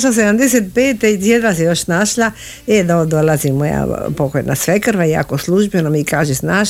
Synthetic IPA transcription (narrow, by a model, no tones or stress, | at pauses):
ʃlas̬ed̪amd̪eset̪̚peːt̪eit̪jed̪ʋasejoʃnaʃla | ed̪od̪olazimːoja̰pokojnʔa̰sʋekrʋaja̰kosluʒbenomikaːʒesnaːʃ